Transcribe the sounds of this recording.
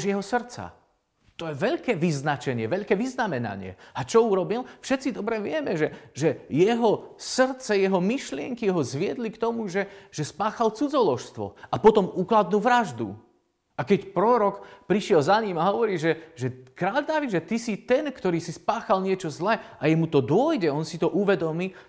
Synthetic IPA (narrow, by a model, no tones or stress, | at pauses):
ʒjɛɦɔsr̩t͡sa̰ | t̪ɔjɛʋɛʎkɛːʋiznat͡ʃɛɲɪɛʋɛʎkɛːʋiznamɛna̰ɲɪɛ̰at͡ʃɔuɾɔbilfʃɛt̪t͡sid̪ɔbɾɛʋɪɛmɛʒɛʒɛjɛɦɔsrt͡sɛjɛɦɔmiʃlɪɛŋkiɦɔzʋɪɛd̪likt̪ɔmuʒɛʒ̥ɛspaːxalt͡sud͡zɔlɔʃst̪ʋɔ̰ʔapɔt̪ɔmuklad̪̚nuːʋɾaʒd̪ṵ | akɛcpɾɔɾɔkpɾiʃɪɛlzaɲimaɦɔʋɔɾiːʒɛʒɛkɾaːld̪aːʋiʒɛt̪isit̪ɛnkt̪ɔɾiːsispaːxalɲɪɛt͡ʃɔzlɛajɛmut̪ɔd̪ʊɔjɟɛɔnsit̪ɔʔuʋɛd̪ɔmiː